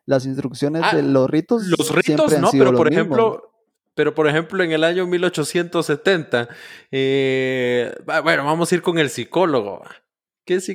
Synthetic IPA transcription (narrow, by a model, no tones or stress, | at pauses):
las̬inst̪ɾuksjo̞nezelosrit̪oslosrsjeopɾeanosiðeɾoooɾemiemmlo | pe̞ɾo̞poɾexe̞mploeŋe̞laɲomilo̞t͡ʃosje̞nt̪osːe̞t̪e̞nt̪ae | babwe̞noβamosaiɾko̞ŋe̞lsiko̞loɣo̰βa̰ | kesi